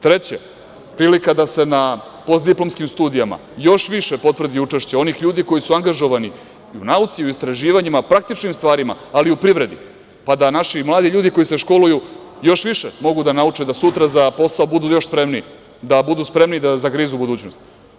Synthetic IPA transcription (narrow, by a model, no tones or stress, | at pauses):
t̪ɾet͡ɕe | pɾiːlikad̪ase̞na | po̞st̪d̪iplˠo̞mskimst̪uːd̪ijama̰jo̞ʃʋiʃepo̞t̪vr̩d̪iut͡ʂeʃt͡ɕeo̞nixʎuːd̪ikojisuaŋɡaʒo̞ʋani | unaut̪siuist̪ɾaʒiːʋaɲimapɾak̚t̪it͡ʂnimst̪vʋaːɾima̰ːliupɾiʋɾe̞d̪ḭ | pad̪anaʃimlˠaːd̪iʎuːd̪iko̞iseʃko̞luju | jo̞ʃʋiʃemo̞ɡud̪anaut͡ʂed̪asut̪ɾazapo̞saobud̪uːjo̞ʃspɾemni | d̪abud̪uːspɾe̞mnid̪azakɾiːzubud̪uːt͡ɕnost̪i̥